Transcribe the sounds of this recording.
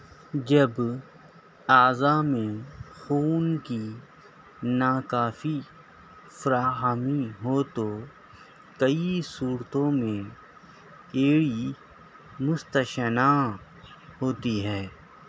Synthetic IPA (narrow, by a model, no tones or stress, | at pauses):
d͡ʒɐb | aːzamẽxuːnki | naːkaːfi | fɐɾaːɦaːmiɦot̪o | kɐisuːɾt̪õmẽ | eːɽi | mʊst̪əʃəna | ɦoːt̪iɦɛː